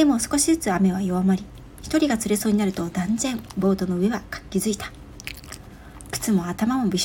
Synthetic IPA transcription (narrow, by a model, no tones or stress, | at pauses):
d̪e̞mo̞sɨ̥ko̞ɕizɨt͡sɨame̞β̞ajo̞amaɾʲi | çi̥t̪o̞ɾʲiɡat͡sɨɾe̞so̞ːɲinaɾɯ̟t̪o̞d̪ãnd͡zẽ̞mbo̞ːt̪o̞no̞ɯ̟e̞βakḁkʲːizɨit̪ḁ | kɯ̟̥t͡sɨmo̞at̪amamo̞bʲiɕ